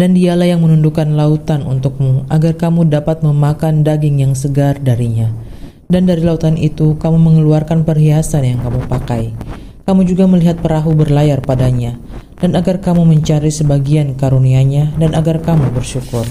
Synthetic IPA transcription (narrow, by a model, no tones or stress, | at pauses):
dandialahjaŋmənundukanlaut̪anṵnt̪ʊk̚muʔaɡarkamudapat̪̚məmakandaɡɪŋjaŋsəɡardaɾiɲa | dandaɾilaut̪anḭt̪ukamuməŋəluarkanpərɦiasanjaŋkamupakaj | kamud͡ʒuɡaməliɦat̪̚pəɾaɦubərlajarpadaɲa | d̥anaɡarkamuməɲt͡ʃaɾisəbaɡiankaɾuniaɲadanaɡarkamubərʃukʊr